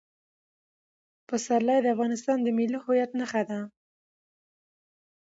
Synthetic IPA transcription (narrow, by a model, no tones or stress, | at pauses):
pəsaɾlɑjd̪əafɣɑnɪst̪ɑnd̪əmilihʊjat̪nəxad̪a